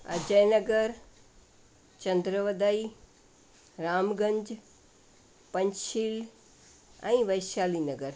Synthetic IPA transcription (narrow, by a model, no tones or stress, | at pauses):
ɐ̰d͡ʒəjnɐɡəɾ | t͡ʃɐnd̪ɾəʋəd̪əi | ɾaːmɡə̃ɲd͡ʒ | pɐɲʃil | ã̰ĩʋɐjʃaːliːnɐɡəɾ